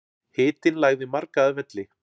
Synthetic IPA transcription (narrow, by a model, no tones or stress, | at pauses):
hɪːt̪ɪnlaːjɣðɪmaɾkaːðvɛt̪lɪ